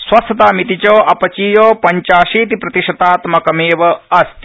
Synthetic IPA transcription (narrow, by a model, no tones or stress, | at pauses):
swɐst̪ʰɐt̪aːmit̪it͡ʃoːʔɐpɐt͡ʃiːjoːpɐɲt͡ʃaːʃiːt̪ipɾɐt̪iʃɐt̪aːt̪mɐkɐmeːʋɐɐst̪